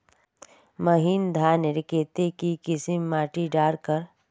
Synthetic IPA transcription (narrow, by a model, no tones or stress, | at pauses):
məɦiːnd̪ʱaːnɾɪkeːt̪ekikɪsɪmːaːʈiɖaːɽkəɾ